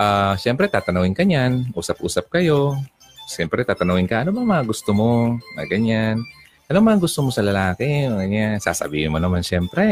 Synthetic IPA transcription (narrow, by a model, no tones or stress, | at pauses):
ʔaːʃɛmpɾɛt̪aːt̪ɐnuŋɪnkɐɲanʔuːsɐp̚ʔṵːsɐp̚kɐjo̞ | ʃɛmpɾɛt̪aːt̪ɐnuːŋɪnkɐʔɐnobɐŋmɐŋaɡʊst̪omo̞ŋa̰ɡɐɲan | ʔɐnomɐaŋɡʊst̪omo̞sɐlɐlaːkɪoɡɐɲasa̰ːsɐ̰biːhɪnmonɐmanʃɛmpɾɛ